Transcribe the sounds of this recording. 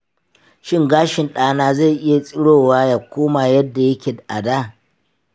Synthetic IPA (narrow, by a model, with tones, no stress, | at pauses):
ʃɪ˦ŋɡaː˦ʃɪ˨nɗaː˦naː˦za˦˨jʔɪ˦ja˨sʼɪ˦ɽoː˦˨waː˦ja˨kʷoː˦maː˨jɐ˦dːa˨jɐ˦kʲe˨da˨ʔa̰˨daː˦˨